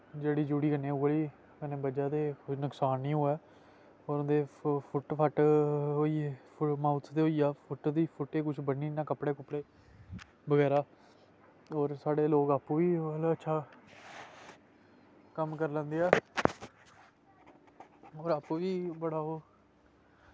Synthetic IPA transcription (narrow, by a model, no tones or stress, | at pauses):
d͡ʒeːɽiːd͡ʒuːɽiːkənẽːʊɡəliː | kənẽːbəd͡ʒaːt̪eːnəksaːnːĩːɦoːɛː | ɔːɾnd̪eːpʰʊʈpʰəʈɦoːiːepʰmaːʊt̪st̪eːoːiːaːpʰʊʈd̪iːpʰʊʈːeːkʊt͡ʃʰbənːiːnãːkəpɽeːkʊpːɽeː | bəɡɛːɾaː | oːɾsaːɽeːloːɡaːpũːʋiːəlaətːʃʰaː | kəmkəɾlə̃ːnd̪eːɛː | oːɾaːpuːʋiːbəɽaːɦoː